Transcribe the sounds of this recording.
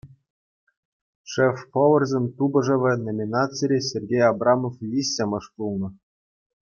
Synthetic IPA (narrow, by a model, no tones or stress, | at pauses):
ʂefpoʋɤ̆rzʲemʲt̪ubɤ̆ʐɤ̆ʋʲɘ̆nomʲinɑt͡sɨɾʲesʲerʲɡʲejɑbrɑmoflʲisʲːemɤ̆ʂpulˠnɤ̆